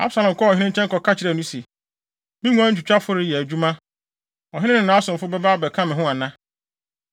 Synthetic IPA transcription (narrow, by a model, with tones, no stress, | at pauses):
a̰˦bsa˨lɔ̃˨m˨kʰɔ˦ɔ˨ɦɪ̃˦nɪ̃˦ɲ̩˦t͡ɕʰɛ̃˦ŋkɔ˨kʰa˦t͡ɕʰɪ˨ɾɛ˨nũ˦se˨ | mɪ̃˦ŋũ˦a˦ɲ̩˦t͡ɕʰᶣt͡ɕᶣa˦fʊ˦ɾɪ˨˦jɛ˨æ˨d͡ʑᶣu˦mã˦ | ɔ˨ɦɪ̃˦nɪ̃˦nɪ̃˨nã˨˦sʊ̃˨mfʊ˦bɛ˦baː˦bɛ˨kʰã˦mɪ̃˨ɦʊ̃˦a˨nã˦